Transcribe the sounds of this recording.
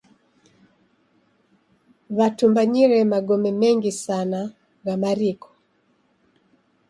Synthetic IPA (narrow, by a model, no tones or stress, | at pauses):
βatumbaɲiɾɛmaɡɔmɛmɛŋɡisana | ɣamaɾikɔ̥